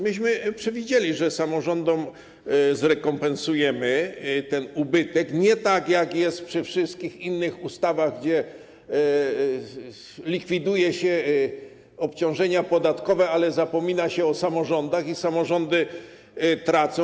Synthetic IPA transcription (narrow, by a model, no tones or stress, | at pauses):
mɘɕ̬mɘpʂɛvʲid͡ʑelʲiʐɛsamɔʐɔnd̪ɔm | zɾɛkɔmpɛnsujɛmɘt̪ɛnubɘt̪ɛkɲɛt̪akjakjɛst̪pʂɘfʂɘst̪̚kʲixinːɘxust̪avaɣɡd͡ʑɛ | lʲikfʲid̪ujɛɕɛ | ɔpt͡ɕɔ̃w̃ʐɛɲapɔd̪at̪kɔvɛalɛzapɔmʲinaɕɛɔsamɔʐɔnd̪axisamɔʐɔnd̪ɘ | t̪ɾat̪sɔ̃